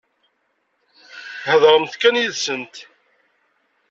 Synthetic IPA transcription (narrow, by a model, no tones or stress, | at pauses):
həðɾˤəmθkænjiðsənt̪